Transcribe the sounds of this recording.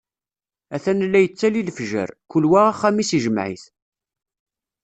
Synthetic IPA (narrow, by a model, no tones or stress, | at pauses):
æθænlːæjət͡sːælilfʒə̰ɾkːʊlwæʁæχːæmisiʒəmʕḭθ